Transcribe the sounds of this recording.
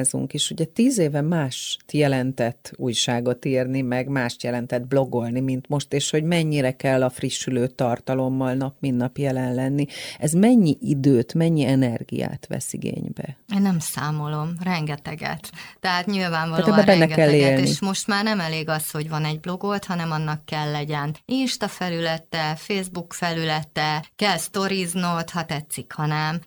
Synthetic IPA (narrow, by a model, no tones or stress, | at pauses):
zṵŋkeʃuɟɛt̪iːzeːvɛmaːʃt̪jɛlɛnt̪ɛt̪ːuːjʃaːɡo̞t̪iːrnimɛɡmaːʃt̪jɛlɛnt̪ɛd̪̚blo̞ɡo̞lnimint̪mo̞ʃt̪eːʃho̞ɟmɛɲːiɾɛkɛlːɒfriʃːyløːt̪ɒrt̪ɒlo̞mːɒlnɒpminːɒpjɛlɛnlɛnːiɛzmɛɲːiʔid̪øːt̪mɛɲːiɛnɛrɡḭja̰ːt̪ʋɛ̰sḭɡḛːɲbɛ̰eːnːɛmsaːmo̞lo̞mrɛŋɡɛt̪ɛɡɛ̰t̪ːɛɦaːt̪ɲilvaːɱvɒlaloɛːbɛbɛnːɛɡɛlːeːlneiʃmo̞ʃt̪maːrnɛmɛleːɡɒsho̞ɟvɒnɛɟblo̞ɡolt̪hɒnɛmɒnːɒkːɛlːɛɟɛninʃt̪ɒfɛlylɛt̪ɛfeːzbukfɛlylɛt̪ɛkɛlst̪o̞ɾiznoːt̪hɒt̪ɛt̪sikhɒnɛm